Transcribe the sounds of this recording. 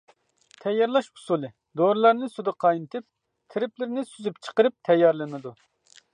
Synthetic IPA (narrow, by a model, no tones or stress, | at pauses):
t̪ʰɛjːɑɾlˠɑʃpu̥sulˠɨ | d̪oɾɨlˠɑɾnɨsud̪ɨqʰɑjnɨt̪ʰɨp̚ | t̪ʰɪɾɪplɪɾnɪsyzypt͡ʃʰə̥qəɾɨp̚t̪ʰɛjːɑɾlˠɨnɨd̪u